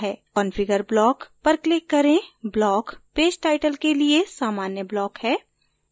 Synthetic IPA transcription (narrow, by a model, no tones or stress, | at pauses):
ɦɛːkɔnfɪɡəɾblɔːkpɐɾklɪkːɐɾẽblɔːkpeːd͡ʒʈaːɪʈəlkeliesaːmaːnjəblɔːkhɛː